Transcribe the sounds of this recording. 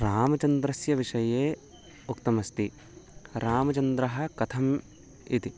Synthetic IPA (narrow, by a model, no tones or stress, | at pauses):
ɾaːmɐt͡ʃɐnd̪ɾɐsjɐʋiʂɐjeː | ukt̪ɐmɐst̪i | ɾaːmɐt͡ʃɐnd̪ɾɐɦɐ̆kɐt̪ʰɐm | ḭt̪i